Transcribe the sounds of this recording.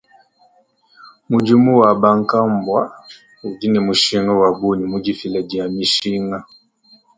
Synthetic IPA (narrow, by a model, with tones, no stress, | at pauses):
mu˨d͡ʒi˦mu˦wa˨ba˦ŋ˦ka˦mbwa˦ | u˨d͡ʒi˦nɛ˨mu˨ʃi˦ŋɔ˦wa˨bu˦ni˨mu˦d͡ʒi˦fi˨lɛ˨di˨a˨mi˨ʃi˦ŋa˦